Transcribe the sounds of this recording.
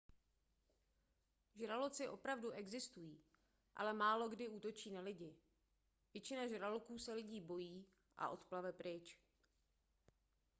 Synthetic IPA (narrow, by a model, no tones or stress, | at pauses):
ʒɾalot͡sɪʔo̞pɾavduʔɛɡzɪst̪ujiː | ʔa̰lɛmaːlo̞ɡdɪuːt̪o̞t͡ʃiːnalɪɟɪ | vjɛt͡ʃɪnaʒɾalokuːsɛlɪɟiːbo̞jiː | ʔa̰ʔo̞t̪plavɛpɾɪt͡ʃ